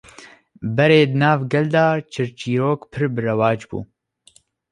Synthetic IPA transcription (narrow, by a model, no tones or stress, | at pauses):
bɛɾeːd̪ɨnaːvɡɛld̪aːt͡ʃʰɨɾt͡ʃiːɾoːkpʰɨɾbɨrɐwaːd͡ʒbṵː